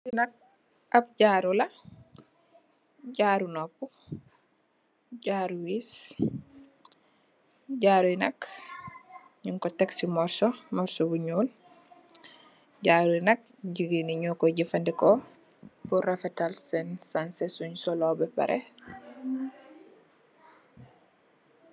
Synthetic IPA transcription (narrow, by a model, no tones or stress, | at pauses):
sinɐk̚ | ʔɐp̚ɟaːɾulɐ | ɟaːɾunɔpːu | ɟaːɾuwis | ɟaːɾuinɐk | ɲiŋkɔtɛksimɔɾsɔmɔɾsɔbuɲuːl | ɟaːɾunɐk̚ɟiɡiniɲɔkɔɟifɐndɛkɔ | buɾafɛtalsɛnsansesuɲsɔlɔbɛpɐ̰ɾʔḛ